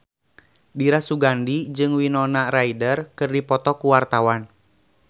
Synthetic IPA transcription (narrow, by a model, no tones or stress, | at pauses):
diɾasuɡandid͡ʒɨŋwinɔnaraidərkɨrdipɔt̪ɔkuwart̪awan